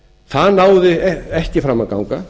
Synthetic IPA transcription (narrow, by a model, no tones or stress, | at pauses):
θaðnaːwðɪɛɛhcɪfɾamːaka̰wŋka